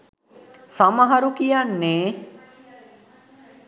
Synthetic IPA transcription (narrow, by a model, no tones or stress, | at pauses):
saməɦɐɾukijanːeː